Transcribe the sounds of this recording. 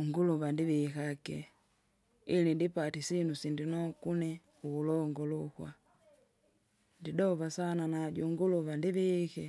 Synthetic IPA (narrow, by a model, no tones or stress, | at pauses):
uŋɡuluβandiβikakɛ | ilindipatisinusindinɔkunɛ | uːlɔŋɡɔlukwa̰ | ndidɔvasananaɟuŋɡuluβandiβikɛ